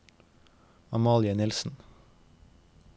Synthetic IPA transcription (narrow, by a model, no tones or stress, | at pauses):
ɑmɑːlɪənɪlsn̩